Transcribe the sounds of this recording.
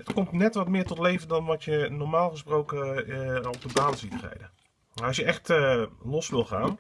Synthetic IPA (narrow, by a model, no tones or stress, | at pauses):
ətkɔmtnɛtʋɔtmɪːɹtɔtlejvəndɔnʋɑtjənɔɹmaːlˠχəsprowkə | ɔpdəbaːnsitrɛ̰jdə | ɑsjəɛxtlɔsʋɪlˠχaːn